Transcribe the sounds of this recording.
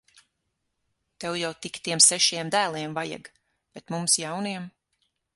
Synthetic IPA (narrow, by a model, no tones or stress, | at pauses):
t̪ɛwjawt̪ikt̪iɛmsɛʃiɛmd̪æːlˠiɛmvaja̰ɡ | b̥ɛt̪mumsjawniɛm